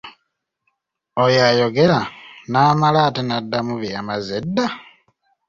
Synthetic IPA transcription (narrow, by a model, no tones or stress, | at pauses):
ojajoɡelanaːmalaːtenadːamuβjamazedːa